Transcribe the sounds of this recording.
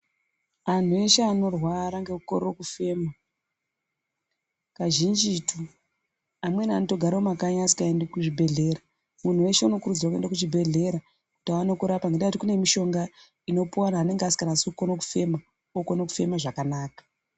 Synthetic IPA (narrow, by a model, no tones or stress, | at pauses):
an̤ue̞ʃeano̞rwaɾaŋɡeukoɾokufe̞ːma | kaʒind͡ʒitʰu | amwe̞nanoto̞ɡʱaɾaomakaɲasi̥kaendekuʐibʱe̞ɮe̞ːɾa | mun̤uwe̞ʃeuno̞kurud͡zakuendakut͡ʃibʱe̞ɮe̞ɾa | ku̥tano̞kuɾapaŋɡendatikune̞miʃo̞ŋɡa | ino̞puwanaːne̞ŋɡasi̥kanasiukonoku̥fe̞ma | okonoku̥fe̞maʐakanaːkḁ